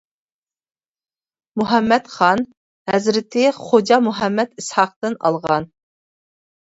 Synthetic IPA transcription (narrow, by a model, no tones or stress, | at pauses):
muɦɛmːɛt̪χɑn | hɛzɾɪt̪ʰɪχod͡ʒɑmuɦɛmːɛt̪ishɑq̚t̪ɨnɑ̰lˠʁɑn